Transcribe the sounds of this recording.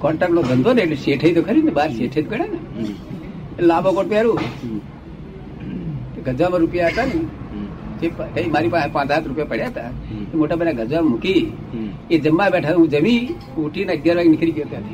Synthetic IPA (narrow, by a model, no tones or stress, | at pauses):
kɔɳʈaɾloɡənd̪oneseːʈʰəit̪okʰəɾinəbaːɾseːʈʰət̪̚kəɽanə | elaːbokoʈ̚pjaɾu | t̪eɡʱəd͡zwaməɾupjaɦət̪ani | t͡ʃepkəimaːɾipapãːt͡saːt̪ɾupjapəɽjat̪aemoʈabənaɡʱəd͡ʒwammuki | ed͡ʒəmːabɛːʈʰat̪ũd͡ʒəmĩ | uʈʰinəɡjaɾbaɡnikʰɾikijot̪at̪i